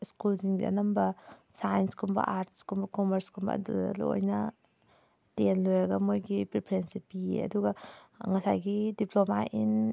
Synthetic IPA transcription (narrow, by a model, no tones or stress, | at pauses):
skulziŋza̰nɐmbɐsajnskʰumbɐ̰ʔaɾtʰskumbɐkɔmeɾskʰumbɐ̰dṵlṵo̰jnɐ | tenlojaɡɐmojɡipɾipʰɾensipiḛɐ̰duɡaŋɐsajɡidiplomaʔin